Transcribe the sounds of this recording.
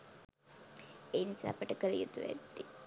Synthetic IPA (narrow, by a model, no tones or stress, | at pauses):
eːnisa̰ːpəʈəkəɾijət̪uʋæ̰d̪ːi